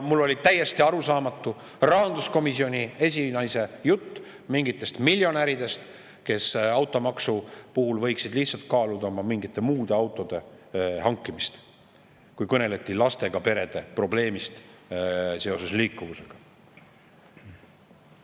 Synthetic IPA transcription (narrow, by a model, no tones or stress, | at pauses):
mulːo̞lʲit̪æje̞st̪iɑɾusɑːmɑt̪ːˑu | rɑɦɑnd̪̥usko̞misio̞nʲiesʲinɑjse̞jut̪ː | miŋɡit̪ːˑe̞st̪milʲjo̞næɾid̪e̞st̪ | ke̞sɑwt̪ːˑo̞mɑksupuhulvɤjksid̪̥liht̪sɑlt̪̚kɑːlud̪̥ɑmɑmiŋɡit̪ˑːe̞muːd̪̥e̞ɑwt̪ːˑo̞d̪̥e̞ | hɑŋkːˑimist̪ | kujkɤne̞let̪ːˑilɑst̪e̞ɡ̥ɑpe̞ɾe̞d̪̥e̞pro̞ble̞ːmist̪ | se̞o̞se̞sliːkːˑuvuse̞ɡ̥ɑ